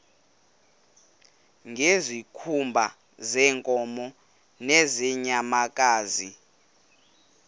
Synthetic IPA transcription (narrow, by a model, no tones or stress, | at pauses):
ŋʱezikʰumbʱa | zɛːŋkʼɔmɔ | nɛzɛɲamak̬ʼaːzi